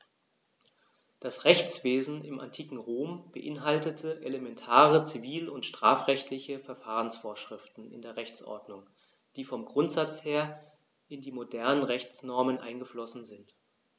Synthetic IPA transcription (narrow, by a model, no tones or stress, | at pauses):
d̥asʁɛçt͡sv̥eːzn̩ɪmʔa̰ntʰiːkŋ̩ʁoːmb̥əʔɪnɦaltətʰəʔeləmɛntʰaːʁət͡siviːlʊntʃtʁ̥aːfʁ̥ɛçtlɪçəfɛɐfaːʁ̞ənsfoːɐʃʁ̥ɪftn̩ɪ̰ndeːɐʁɛçt͡sʔɔ̰ɐdnʊŋ | d̥iːfɔmɡʁʊntz̥at͡sheːɐ | ɪndiːmodɛɐnənʁɛçt͡snɔɐmənʔa̰ɪnɡəflɔsn̩zɪnt